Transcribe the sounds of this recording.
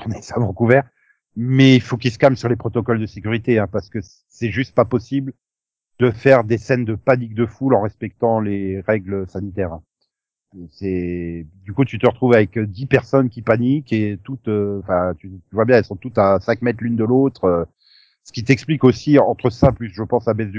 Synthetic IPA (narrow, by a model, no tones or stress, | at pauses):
ɔ̃nɛsavɑ̃kuvɛʁ | mɛilfokilsə̥kamsyʁlepχɔt̪ɔkɔld̪əsekʲyʁit̪eɛ̃paʁsə̥kəs | sɛʒyst̪̚papɔsibl | d̪əfɛʁd̪esɛnd̪əpanik̚d̪əfulɑ̃ʁɛspɛk̚t̪ɑ̃leʁɛɡləsanit̪ɛːʁɛ̃ | sɛd̪ykut̪yt̪əʁət̪χuvavɛkd̪ipɛʁsɔnkʲipaniket̪ut̪øɑ̃fɛ̃t̪yt̪yvwabjɛ̃ɛlsɔ̃t̪ut̪asɛ̃kmɛt̪χlynd̪əlot̪χø | sə̥kʲit̪ɛksplikosiɑ̃t̪χəsaplysʒəpɑ̃sabɛs̬d̪y